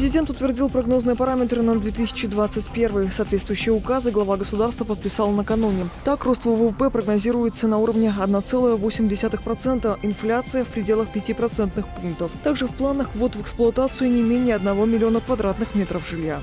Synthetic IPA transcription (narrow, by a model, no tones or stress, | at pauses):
ɾʲɪzʲɪdʲe̞nt̪ʊt̪vʲɪrdʲilˠpɾɐɡno̞znɨjəpɐɾamʲɪt̪ɾɨnəd̪vʲet̪ɨsʲɪ̥t͡ɕɪd̪vat̪sɨtʲpʲe̞rvɨjsaːt̪vʲet̪st̪vʊjʉɕːɪjəʊkazɨɡlˠɐvaɡəsʊd̪arst̪vəpət̪̚pʲɪsalˠnəkɐnunʲɪt̪akro̞st̪vəvəvəpɛpɾəɡnɐzʲiɾʊjɪt̪sənɐuɾəvnʲɪɐd̪nat̪sɛlˠəjəvosʲɪmʲdʲɪsʲat̪ɨxpɾɐt̪sɛnt̪əʔɪnflʲat̪sɨjəfpɾʲɪdʲe̞lˠəxpʲɪtʲipɾɐt̪sɛnt̪nɨxpunk̚t̪əft̪aɡʐɨfplˠanəxvot̪vəksplˠʊɐt̪at̪sɨʊnʲɪmʲenʲɪjəɐd̪nɐvo̞mʲɪlʲɪo̞nəkvɐd̪ɾat̪nɨxmʲe̞t̪ɾəfʐɨlʲja